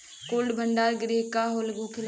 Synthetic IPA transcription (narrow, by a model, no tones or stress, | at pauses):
koːlɖbʱəɳɖaːlɡɾiɦkaɦoːlɡokʰɪl